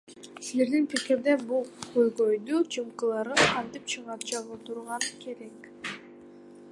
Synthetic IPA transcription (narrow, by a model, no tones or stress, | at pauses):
sle̞ɾd̪inpikiɾd̪ebulˠqʰojʁojd̪ut͡ʃʰɯmqɯlˠɑɾɯqʰɑnt̪ip̚t͡ʃʰɯʁɑt͡ʃɑʁɯt̪ʰuɾʁɑnke̞ɾe̞k